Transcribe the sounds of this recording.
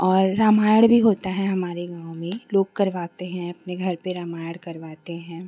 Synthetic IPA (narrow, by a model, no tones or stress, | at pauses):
ɔːɾːaːmaːjəɽbʱiɦoːt̪aɦɛɦɐmaːɾeɡãːʊ̃mẽloːɡ̚kɐɾʋaːt̪eɦɛ̃ɐpneɡʱɐɾpeɾaːmaːjəɽkɐɾʋaːt̪eɦɛ̃ː